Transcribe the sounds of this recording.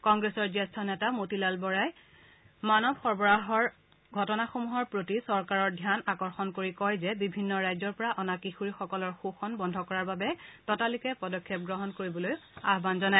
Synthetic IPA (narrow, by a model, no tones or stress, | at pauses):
kɔŋɡɹesɔɹzastʰɔnɛtamotilalbɔɹaj | manɔbxɔɹbɔɹaɦɔɹ | ɡʱɔtɔnaxomuɦɔɹpɹotisɔɹkaɹɔɹdʱjanakɔɹxɔnkoɹikɔjzɛbibʱinːɔɹajzɔɹpɔɹaʔɔnakixuɹixɔkɔlɔɹxuxɔnbɔndʱɔkɔɹaɹbabɛtɔtalikɛpɔdɔkʰːjɛp̚ɡɹɔɦɔnkoɹibɔlojaɦbanzɔnaj